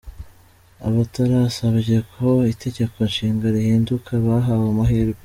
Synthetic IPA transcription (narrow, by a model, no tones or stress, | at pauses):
a̰βataɾasaβiʒekʰo̞ite̞ɟekʰo̞nʃiːŋɡaɾihiːndukʰaβaɦawamaɦiɾ